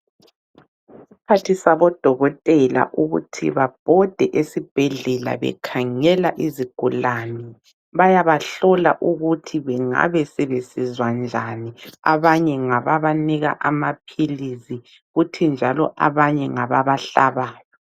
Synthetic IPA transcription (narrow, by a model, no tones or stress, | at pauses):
esipʰatʰisaβɔd̥ʱɔɣɔtʼɛla̰ʔuɣṵtʰḭβab̥ʱɔd̥ʱɛʔesib̥ʱɛɮɛla̰βɛ̰kʰaŋɛlaʔiziɡ̥ʱulani | βajaβaɬɔla̰ʔuɣutʰiβɛŋa̰βɛsɛβesizwand͡ʒʱania̰βaɲɛŋaβaβaniɣa̰ʔamapʰilizi | ɣutʰind͡ʒʱalɔʔa̰βaɲɛŋaβaβaɬaβaːjɔ